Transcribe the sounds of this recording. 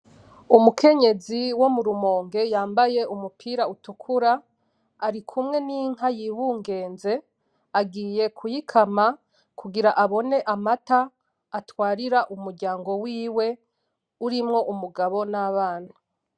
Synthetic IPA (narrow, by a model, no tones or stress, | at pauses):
umukʰe̞ɲe̞ziwo̞muɾumo̞ːŋɡe̞jaːmbaje̞umupʰiːɾautukʰuɾaː | ɾikʰumŋe̞niːŋ̥ɦajiβuːŋɡe̞ːnze̞ | aɡiːje̞kʰujikʰama | kʰuɡiɾaʔaβo̞ne̞ʔamataː | twaːɾiɾaʔumuɾɟaːŋɡo̞wiːwe̞ | uɾimŋo̞ʔumuɡaβo̞naβaːn̥ha